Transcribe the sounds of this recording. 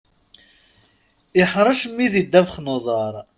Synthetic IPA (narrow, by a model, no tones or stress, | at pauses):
ɪħɾˤɑʃmːiðid̪ːævəχnoðˤɑɾˤ